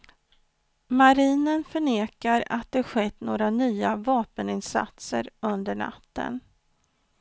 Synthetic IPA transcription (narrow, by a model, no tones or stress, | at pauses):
maɾiːnənfœɳeːkaɾa̰t̪̚d̪ɛɧɛt̪ːnoːɾanyːavɑːpənɪnsa̰t̪sə̰ɾɵnd̪əɳa̰t̪ːə̰n